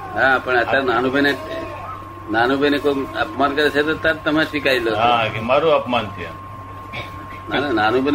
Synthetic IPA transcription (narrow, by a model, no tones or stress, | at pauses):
ɦãpəɳət̪aɾnanubene | naːnubʱenekoəpmaːnkəɾet͡ʃʰet̪ot̪aɾt̪əmaʃikailoɦãkemaɾuɐpmant̪ia̰ | nananaːnubʱen